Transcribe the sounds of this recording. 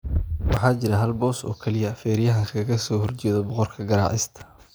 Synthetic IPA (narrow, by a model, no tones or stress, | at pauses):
wɑħɑːt͡ʃɪɾɐɦɐlbɔːsɔ̰ːkʰɛlɪjɐfɛːɾjɐɦɐkʰɐɣɐsɔːhɔrt͡ʃɛːðɔbɔqɔrkʰɐɡɐɾa̰ːʕɪst̪ʰɐ̥